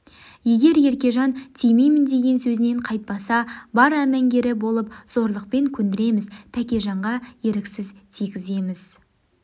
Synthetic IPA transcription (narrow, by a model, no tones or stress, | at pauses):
je̞ɡʲe̞ɾje̞ɾkʲe̞ʒɑnt̪ʰijmejmɪnd̪e̞ɡʲe̞nsɵzɪne̞ɴqʰɑjt̪̚pɑsɑbɑɾæmæŋɡʲe̞ɾɪbo̞lˠəp̚z̥o̞ɾlˠəq̚pe̞ŋkʲʰɵnd̪ɪɾe̞mɪzt̪ʰækʲe̞ʒɑɴʁɑje̞ɾɪksɪzt̪ʰijɡʲɪze̞mɪz̥